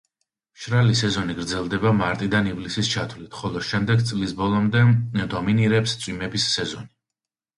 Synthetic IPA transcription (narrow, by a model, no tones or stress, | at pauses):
ʃɾalisɛzɔniɡɾd̪zɛlˠd̪ɛbamaɾt̪ʼid̪anivlisist͡ʃʰat̪ʰvlit̪ʰχɔlˠɔʃɛmd̪ɛɡ̚t̪sʼlisbɔlˠɔmd̪ɛd̪ɔminiɾɛpst̪sʼwimɛbisːɛzɔni